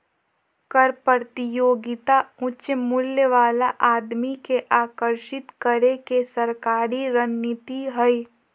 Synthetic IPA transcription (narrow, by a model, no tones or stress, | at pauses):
kəɾpəɾt̪ijoːɡɪt̪aʊtːʃəmʊljəʋaːlaʔaːd̪mikeʔaːkəɾʃɪt̪kəɾekesəɾkaːɾiɾənːɪt̪iɦəi